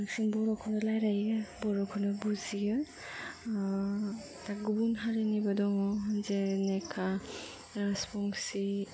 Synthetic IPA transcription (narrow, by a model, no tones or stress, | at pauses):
suŋbɔɾɔkʰɔnɔlajɾajɯbɔɾɔkʰɔnɔbuziɡɯ | taɡubunɦaɾenibadɔŋɔɦanzenekʰa | ɾaspɔŋsi